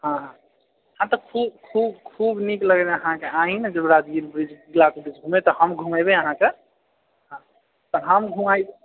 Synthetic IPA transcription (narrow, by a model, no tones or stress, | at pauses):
ɦãɦ | hãt̪ɔkʰubkʰubkʰubnikləɡɛneəɦãkeaɦinɛd͡ʒəbɾad͡ʒ̪ɡiɾbɾid͡ʒbilakebɾid͡ʒɡʱumet̪ɔhəmɡʱumajbeəɦãke | ɦã | t̪ɔɦəmɡʱumajbe